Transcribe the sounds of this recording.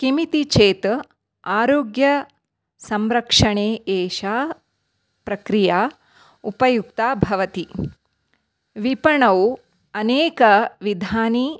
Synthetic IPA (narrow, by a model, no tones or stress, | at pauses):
kimit̪it͡ʃʰeːt̪ | aːɾoːɡjɐ | sɐmɾɐkʂɐɳeːeːʃaː | pɾɐkɾijaː | upɐjuk̚t̪aːbʱɐʋɐt̪i | ʋipɐɳɐw | ɐneːkɐʋid̪ʱaːni